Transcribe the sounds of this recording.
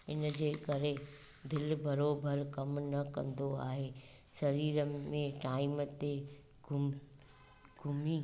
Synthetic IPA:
ɪ̰nd͡ʑeːkɐɾed̪ɪlbʱɐɾoːbʱəɾkɐmnɐkɐ̰̃nd̪oa̰ːɦeː | sɐɾiːɾəmẽʈaːɪmt̪e | ɡʱʊm | ɡ̥ʱʊmiː

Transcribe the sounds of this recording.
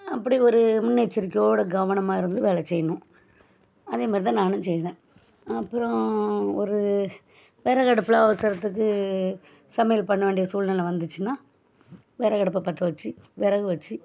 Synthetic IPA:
ɐpːɐɽiɔɾɯmʊnːet͡ʃːɪɾɯkːjoːɽɐɡɐʋɐnɐmaːɪɾɯnd̪ɯʋeːɭɛt͡ʃɛjːɐnʊ̃ | ɐðeːmaːɾt̪ãːnaːnɯ̃sɛjðẽː | ɐpːɯɾɔ̃ɔɾɯ | ʋeːɾɐkɐɽɯpːɯlɐɐʋɐsɐɾɐt̪ːɯk̬ːɯ | sɐmɛjɐlpɐɳːɐʋeːɳɖɪjɐsuːlnɐlʋɐnd̪ɯt͡ʃːɯnaː | ʋeːɾɐkɐɽɐpːlpɐt̪ːɯʋɐt͡ʃːɯ | ʋɛɾɐɣɯʋɐt͡ʃːɯ

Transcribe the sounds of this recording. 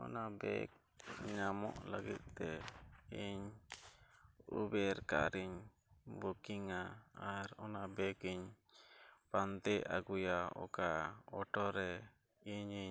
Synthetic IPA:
ɔ̰nabɛ̰k̚ | ɲamɔ̰ʔləɡit̪̚t̪ɛiɲ | ṵbɛɾka̰ɾiɲ | bokiŋaːɾɔnabɛkiɲ | pant̪ɛʔa̰ɡujaɔ̰kaɔʈɔɾɛ | iɲi

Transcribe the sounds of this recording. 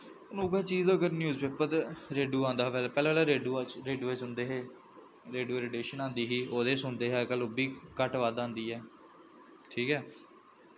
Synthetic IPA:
ʊnũːkɛːt͡ʃiːzəɡəɾnjuːzpeːpət̪ɾeːɖuːãːnd̪aːɛlpɛːlaːlaːɾeːɖuːɾeːɖuːɛːt͡ʃɦʊnd̪eːɦeː | ɾeːɖuːeɾeːɖeːʃənãːnd̪iːɦiːoːd̪eːsʊnd̪eːɦɛːkəlobiːkəʈʋaːd̪ãːnd̪iːɛː | ʈʰiːkɛː

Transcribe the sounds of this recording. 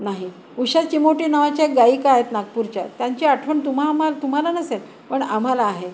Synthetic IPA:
naɦi | uɕat͡ɕimoʈiːnaʋat͡ɕaeɡaiːkaaɦet̪naɡ̚puɾt͡ɕa̰t̪jaɲt͡ɕiːaʈʰʋəɳt̪um̤amalt̪um̤alanəsel | pəɳam̤alaːɦe

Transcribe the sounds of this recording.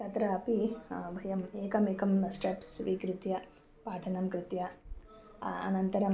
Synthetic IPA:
t͡ʃɐt̪ɾɐɐpibʱɐjɐmeːkɐmeːkɐmsʈepsʋikɾɪt̪jɐ | paːʈʰɐnɐmkɾɪt̪jɐ | ɐ̰nɐnt̪ɐɾɐm

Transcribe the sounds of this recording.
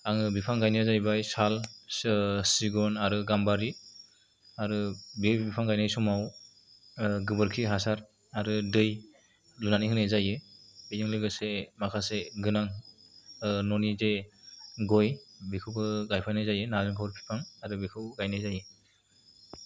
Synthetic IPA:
aŋɯbipʰaŋɡajniazajbajsal | siɡɔnaɾɯɡambaɾi | aɾɯbibipʰaŋɡajnajsɔmaw | ɡɯbɯɾkʰiɦasaɾ | aɾɯdɯj | lunaniɦɯnajzajɯbejɯŋlɯɡɯsemakʰaseɡɯnaŋ | nɔnide | ɡɔjbikʰɯwbɯɡajpʰajnajzajɯnazɯŋpʰawɾpʰi̥pʰaŋaɾɯbikʰɯwɡajnajzajɯ

